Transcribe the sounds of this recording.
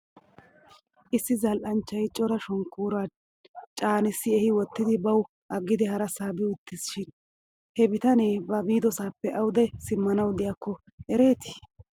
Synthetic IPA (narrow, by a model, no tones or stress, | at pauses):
ʔɪsːɪzɐlʔɐnt͡ʃːɐjt͡ʃʼːɔɾɐʃɔŋkːuːɾa | t͡ʃʼaːnɪsːɪɛhɪwɔt̪ːɪd̪ɪbɐw | ʔɐɡːɪd̪ɛhɐɾɐsaːbɪʊt̪ːɪsʃɪn | hɛbɪt̪ɐneːbɐbiːd̪ɔsaːpːɛʔɐwʊd̪ɛsɪmːɐnɐwd̪ɪjakːɔ | ɛɾe̞ːt̪ɪ̥